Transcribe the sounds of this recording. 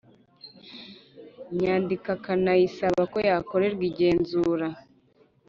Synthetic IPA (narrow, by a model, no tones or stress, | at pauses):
ɲaːndikakanajisaβako̞jaːko̞ɾe̞ɾɡiɟe̞ːnzuːɾa